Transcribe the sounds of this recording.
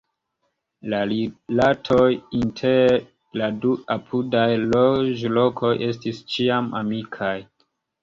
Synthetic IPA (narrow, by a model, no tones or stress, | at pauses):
lalilatʰojintʰeɾe | laduapʰudajlod͡ʒlo̞kʰo̞jʔe̞stist͡ʃiamʔa̰mikʰaj